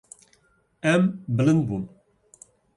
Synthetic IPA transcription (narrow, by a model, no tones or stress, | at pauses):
ɛmbələnbun